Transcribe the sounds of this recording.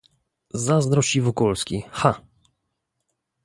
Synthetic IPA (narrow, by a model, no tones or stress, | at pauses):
zazd̪ɾɔɕivɔkɔlskʲixa